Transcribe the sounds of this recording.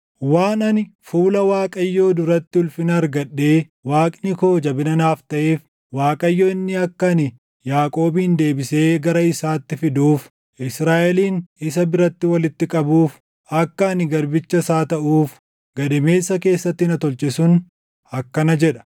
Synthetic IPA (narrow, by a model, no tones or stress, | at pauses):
waːnɐnɪfuːlɐwaːkʼɐjːo̞ːd̪ʊɾɐt̪ːɪʊlfɪnɐːɾɡɐɗːe̞ː | waːkʼnɪko̞ːd͡ʒɐbɪnɐnaːft̪ɐʔe̞ːf | waːkʼɐjːo̞ːɪnːɪɐkːɐnɪ | jaːkʼo̞ːbiːnd̪e̞ːbɪse̞ːɡɐɾɐɪsaːt̪ːɪfɪd̪uːf | ɪsɾaːʔɛliːnɪs̬ɐbɪɾɐt̪ːɪwɐlɪt̪ːɪkʼɐbuːf | ɐkːɐːnɪɡɐɾbɪt͡ʃːɐsaːt̪ɐʔuːf | ɡɐd̪ɛme̞ːsːɐke̞ːsːɐt̪ːɪnɐt̪ɔlt͡ʃʼɪsʊn | ɐkːɐnɐd͡ʒɛᶑɐ̥